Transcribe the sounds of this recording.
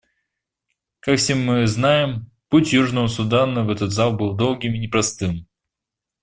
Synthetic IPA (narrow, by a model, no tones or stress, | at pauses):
kakfsʲemːɨznajɪm | putʲjuʐnəvəsʊd̪anəvɛt̪ət̪zalˠbɨlˠd̪o̞lˠɡʲɪmɪnʲɪpɾɐst̪ɨm